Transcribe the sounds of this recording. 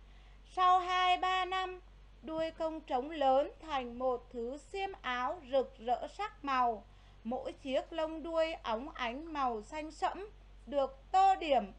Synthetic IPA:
sa˧wɦaː˧jɓaː˧na˧m | ɗu˧əjkə˧wŋ͡mt͡ɕə˨˦wŋ͡mləː˨˦nt̪ʰa˨˩jŋ̟mo˨˩t̚t̪ʰɨ˨˦si˧əmʔaː˨˦wzɨ˨˩k̚zə̰ː˧˥sa˦˥k̚ma˨˩w | mo̰˧˥jt͡ɕi˦˥ək̚lə˧wŋ͡mɗu˧əjʔa˨˦wŋ͡mʔa˨˦jŋ̟ma˨˩wsa˧jŋ̟sə̰˧˥m | ɗɨ˨˩ək̚t̪o˧ɗi˧˩əm

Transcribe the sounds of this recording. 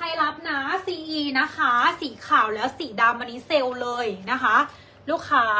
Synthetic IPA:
kʰa˧jla˦˥p̚naː˦˥siː˧ʔiː˧na˦˥kʰaː˦˥siː˩˦kʰaː˨˩wlɛː˦˥wsiː˩˦daː˧mːa˧ni˦˥se˧wlɤː˧jna˦˥kʰa˦˥ | luː˦˥kʰːaː˦˥

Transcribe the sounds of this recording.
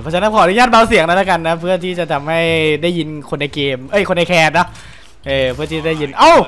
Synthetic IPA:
ɔ˧˥t͡ɕʰa˧˦na˦˥kʰɔː˨˩˦a˧nu˦a˥˩t̪̚baː˧wsi˨˩˦əŋna˦˥laː˥˩ka˧nːa˦˥pʰɯ˥˩ɐt̪ʰiː˥˩t͡ɕa˨˩t̪ʰa˧mha˥˩jdaː˥˩jːi˧nkʰo˧nʔa˧jkeː˧mʔɤ˦˥˩jkʰo˧nʔa˧jkʰɛː˧t̪̚nɔ˦˥ | ʔɤː˧pʰɯ˥˩iː˥˩t͡ɕa˨˩daː˥˩ji˧nʔa˧˥˩w

